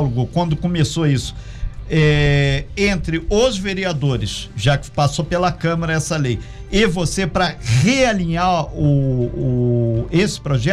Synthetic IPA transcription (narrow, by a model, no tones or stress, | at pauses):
lʊɡʊkwɐ̃nd̪ʊkõmesoisʊ̥ | ɛ | ẽnt̪ɾɪozveɾiad̪oɾɪsʒakɪ̥pasopelɐkɐ̃mɐɾɐɛsɐlej | ɪvosepɾɐʁealĩɲaʊː | esɪ̥pɾoʒɛ